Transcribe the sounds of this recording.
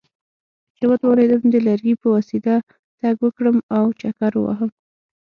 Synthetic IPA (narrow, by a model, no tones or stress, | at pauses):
t͡ʃewat̪wawɾed̪əmd̪əlaɾɡipəwasid̪a | t̪aɡwəkɽəmawt͡ʃakaɾwa̰ɦəm